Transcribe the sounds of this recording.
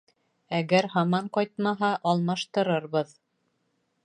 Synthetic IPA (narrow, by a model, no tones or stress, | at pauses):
æɡæɾɦɑmɑɴqɑjt̪̚mɑɦɑʔɑlˠmɑʃt̪ɤ̆ɾɤɾβɤð